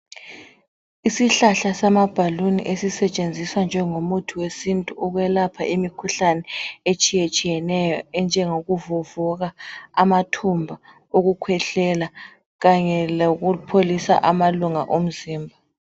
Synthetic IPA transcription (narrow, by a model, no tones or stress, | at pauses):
isiɬaɬasamab̥ʱalunḭʔesisɛt͡ʃʼend͡zʱiswand͡ʒʱɛŋomutʰuwesintʼuʔuɣwɛlapʰaʔimikʰuɬanɛet͡ʃʼijet͡ʃʼijɛnɛjɔɛnd͡ʒʱɛŋoɣuvuvuɣaamatʰumbʱa | oɣukʰwɛɬɛla | ɣaɲɛloɣupʰolisa̰ʔamaluŋaʔom̩ziːmbʱa